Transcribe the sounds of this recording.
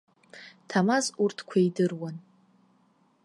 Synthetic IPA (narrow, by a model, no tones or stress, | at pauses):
tʰamazurtʰkʷʰajdɨrwan